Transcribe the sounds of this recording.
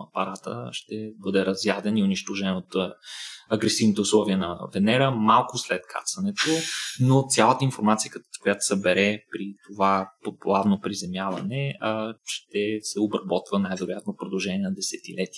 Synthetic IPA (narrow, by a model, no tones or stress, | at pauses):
ɐ̰pɐɾat̪ə̰ʃt̪ɛbɤd̪ɛɾɐzjad̪ɛniʊniʃt̪oʒɛnot̪ | ɐɡɾɛsivnit̪ɛʊslˠɔviənɐ̰vɛnɛɾəmalˠkʊslɛt̪kʰa̰t̪sɐnɛt̪onot̪sʲjalˠət̪əinfoɾmat̪sijəkt̪kojat̪o̥sɛbɛɾɛpɾit̪ovapoplˠavnopɾizɛmjavɐ̰nɛʃt̪ɛsɛobɾɐbɔt̪vənajvɛɾojat̪̚nopɾod̪ɐlˠʒɛniɛnɐd̪ɛsɛt̪ilɛt̪i